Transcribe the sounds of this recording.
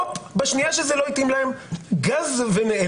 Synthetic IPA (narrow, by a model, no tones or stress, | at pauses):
pbaʃnijaʃezelo̞it̪imlaemɡazveneʔe